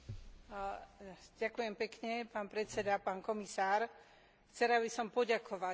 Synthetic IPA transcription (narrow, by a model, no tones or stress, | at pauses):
ɟakujɛmpɛkɲɛpaːnpɾɛtt͡sɛd̪apaːnkɔmisaːɾ | xt͡sɛɾaβisɔmpɔɟakʰɔʋa